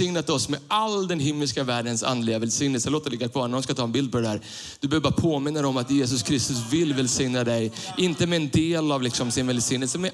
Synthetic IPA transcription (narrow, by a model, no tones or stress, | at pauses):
ɪŋnat̪ɔsmɛʔald̪ɛnɦɪmːəlskavæːɖənsa̰nd̪lɪɡavɛlsɪŋnəlsənloːt̪alɪɡːakʰv̥ɑːɾɳnaɾɔmskat̪ʰɑːɛnbɪld̪̚pʰɔd̪ɛdæːɾ | d̪̥ɵbɛøːvəbɑɾapʰoːmɪnːad̪ɛɔmat̪jeːs̬ɵskʰɾɪst̪ɵsvɪlːvɛlsɪŋnad̪ɛjʔɪnt̪əmɛːnd̪eːlavlɪksɔmsɪnvɛlsɪŋnːəlsəmɛ